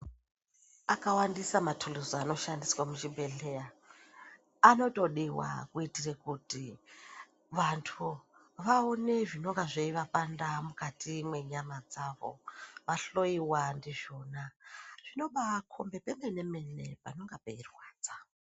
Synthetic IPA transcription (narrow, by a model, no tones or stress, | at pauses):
akawandisamatʰuluzoano̞ʃandiswamut͡ʃibʱe̞ɬeja | ano̞to̞ɗiwa̰kuitirekuti | ʋantʰu | ʋaone̞ʐino̞ŋɡaʐeiʋapandamukatimwe̞ɲamad͡zaʋo̞̰ʋaɬo̞iwandiʒo̞ːnaʐ̥ino̞ɓakʰo̞mbe̞pemene̞me̞ne̞pano̞ŋɡapeirwaːd͡za